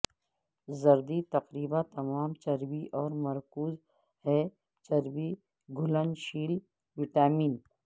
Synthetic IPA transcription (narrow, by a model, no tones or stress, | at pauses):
zɐɾd̪it̪ɐqɾiːbat̪ɐmaːmt͡ʃɐɾbiʔɔːɾmɐɾkuːz | ɦɛː | t͡ʃɐɾbi | ɡʱʊlənʃiːl | ʋɪʈaːmiːn